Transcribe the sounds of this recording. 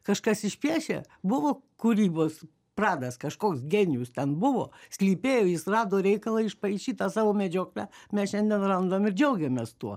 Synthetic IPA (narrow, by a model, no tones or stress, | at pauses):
kɐʃkɐsɪʃʲpʲiɛʃʲḛ | bʊʋoːkuɾʲiːboːs | prɑːd̪ɐskɐʃkoːksɡʲenʲɪjʊst̪ʲɛnbʊʋo̰ːsʲlʲiːpʲeːjoːjɪsrɑːd̪oːɾʲɛɪkɐlˠɐɪʃpɐɪʃʲiːt̪ɑːsɑːʋoːmʲɛd͡ʒʲoːklʲæmʲɛsʃʲɛnʲd̪ʲɛnrɐnd̪oːmɪrd͡ʒʲɛʊɡʲɛmʲeːst̪uɔ